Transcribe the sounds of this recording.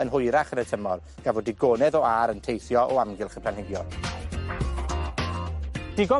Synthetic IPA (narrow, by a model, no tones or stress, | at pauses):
ənɦʊjɾaχənətʰəmɔr | ɡ̥avɔdɪɡoːnɛðɔaɾəntʰejθjɔʔɔamɡɪlˠχəpʰlanɦɪɡjɔr | d̥ɪɡɔ